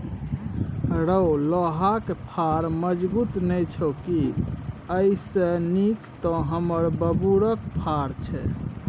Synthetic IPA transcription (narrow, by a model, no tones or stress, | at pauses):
ɾəolɔɦakpʰaɾməd͡ʒbut̪nɛjt͡ʃʰoki | əisenikt̪ɔɦəməɾbəbuɾək̚pʰaɾt͡ʃʰɛ